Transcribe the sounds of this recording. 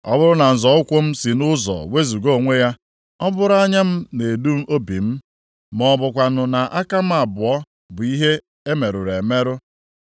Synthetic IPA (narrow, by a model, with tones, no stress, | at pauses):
ɔ̰˦bʊ˦ɾʊ˦na˨n̩˨zɔ˨ʊ˦kʷʊ˦m̩˦si˨nʊ˦zɔ̰˨we˦zu˨ɡo˦˨ŋʷe˦ja˦ | ɔ˦bʊ˦ɾʊ˦a˦ɲa˦m̩˦ne˨du˦m̩˦ʔo˦bi˨m̩˦ | mɔ˨bʊ˨kʷa˨nʊ˨na˨ʔa˦ka˦m̩˦a˨bʊ˨ɔ˦ | bʊ˨i˦ɦe˦ | e˦me˨ɾʊ˨ɾe˨me˦ɾʊ˦